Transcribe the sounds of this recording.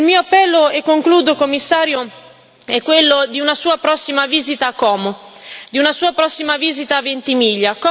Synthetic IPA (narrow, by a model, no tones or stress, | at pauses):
ilmiːoapːɛlːoekːoŋkluːd̪okomːisːaːɾjo | ɛkːwelːod̪iunasuːapɾɔsːimaviːzit̪aːkːɔːmo | d̪iunasuːapɾɔsːimaviːzit̪aːvent̪imiːʎːakɔ